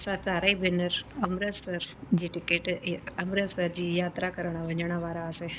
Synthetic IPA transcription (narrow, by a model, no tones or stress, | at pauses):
saːt͡ʃaːɾaibɪnəɾɐmɾəsəɾd͡ʑiːʈɪkeːʈɐmɾəsəɾd͡ʑiːjaːt̪ɾakəɾəɽ̃aʋɐ̃ɲd͡ʒəɽ̃aʋaːɾaseː